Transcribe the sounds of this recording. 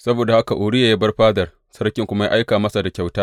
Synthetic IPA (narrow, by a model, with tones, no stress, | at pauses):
sɐ˦boː˨da˨ha˦ka˨ʔʊː˨ɽɪ˦ja˨jaː˦bɐ˦rɸaː˦dɐ˨r | sɐ˦rkʲɪ˦˨ŋkʷʊ˦ma˦ja̰ː˦ʔa˦jkaː˨mɐ˦sa˨da˨kʲa˨wtaː˦